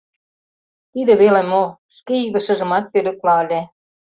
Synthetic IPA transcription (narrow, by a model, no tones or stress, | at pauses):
t̪id̪ĕβelemoʃkeyðə̆ʃə̆ʒə̆mɑt̪̚pølə̆k̚lɑəlʲe